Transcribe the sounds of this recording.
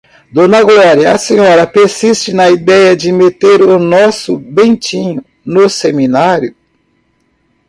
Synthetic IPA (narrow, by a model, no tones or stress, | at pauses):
d̪õnɐɡlɔɾjɐɐsẽɲɔɾɐpeɾsist͡ʃɪnɐid̪ɛjɐd͡ʒɪmet̪eɾʊnɔsʊbẽt͡ʃĩɲʊ | noseminaɾjʊ